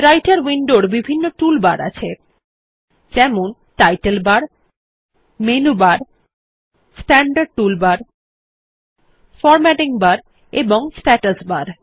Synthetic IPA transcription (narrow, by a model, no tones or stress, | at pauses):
ɾajʈaɾwiɳɖoɽbibʱinːoʈulbaɾa̰t͡ɕʰe | d͡ʑɛmon | ʈajʈelbaɾ | menubaɾ | sʈɛɳɖaɖ̚ʈulbaɾ | fɔɾmɛʈiŋbaɾ | eboŋsʈɛʈəsbaɾ